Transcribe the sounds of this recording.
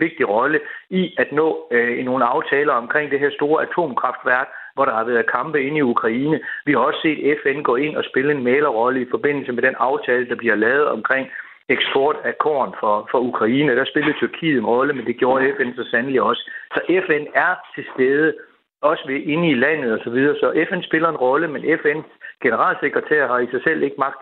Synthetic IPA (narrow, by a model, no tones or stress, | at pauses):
ʋe̝ɡ̥̚d̥iʁɒ̽ləiæd̥nɔ̰̽ːno̝ːnəɑ̈ʊt͡sʰɛːlɐɒ̽mkʰʁeŋ̰d̥e̝ɦæɐsd̥o̝ːɐʔæt͡sʰo̝̰ːmkʰʁɑ̈fd̥ʋæɐɡ̥ | ʋɒɾ̥ɑ̈hɑ̈ʋæːɐðˠkʰɑ̈mb̥əe̝niukʰʁɑ̈iːnəʋihɑ̈ɒ̽sə̥se̝̰ːd̥efenɡ̥ɒ̰ːe̝n̰ɒ̽sb̥e̝ləe̝nmɛːlɐʁɒ̽ləifɒ̽b̥e̝n̰l̩səmed̥enɑ̈ʊt͡sʰɛːləd̥ɑ̈b̥liɐlɛːʊð̞̩ˠɒ̽mkʰʁeŋ̰ | eɡ̥sb̥ɒːd̥ækʰɒ̰ːnfɒ̽fɒ̽ukʰʁɑ̈iːnəd̥ɑsb̥e̝ləð̩ˠt͡sʰyɐkʰḭːð̩ˠe̝nʁɒ̽ləmend̥e̝ɡ̥jo̝ːɐefensɒ̽sænəliɒ̽sə̥sɒ̽ʔefenæɐt͡sʰe̝sd̥eːð̞ˠə | ɒ̽səʋe̝ʔe̝nəilæn̰ð̞̩ˠɒ̽sɒ̽ʋið̞ˠɐːsɒ̽ʔefensb̥e̝lɐe̝nʁɒ̽ləmenʔefensɡ̥e̝nəʁɑ̰̈ːlse̝ɡ̥ʁɐt͡sʰæ̰ːɐɦɑ̈isɑ̈ɪsel̰e̝ɡ̥əmɑ̈ɡ̥̚d̥